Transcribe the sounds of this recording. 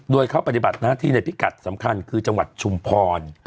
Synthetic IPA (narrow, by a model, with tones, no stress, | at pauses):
doː˧jkʰa˥˩pa˧t̪i˨˩ba˨˩t̪̚naː˥˩t̪ʰiː˥˩na˧jpʰi˦˥ka˨˩t̪̚sa˩˦mkʰa˧nkʰɯː˧t͡ɕa˧ŋwa̰˨˩t̪̚t͡ɕʰu˧mpʰɔː˧n